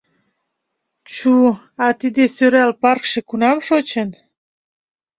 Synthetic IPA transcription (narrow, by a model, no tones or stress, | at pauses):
t͡ɕu | ɑt̪id̪esøɾælpɑrkʃĕkunɑmʃot͡ɕən